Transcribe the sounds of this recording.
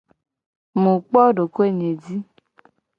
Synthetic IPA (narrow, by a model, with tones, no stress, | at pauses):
mũ˨k͡pɔ˦ɖo˨ko˦e˦˨ɲe˨di˦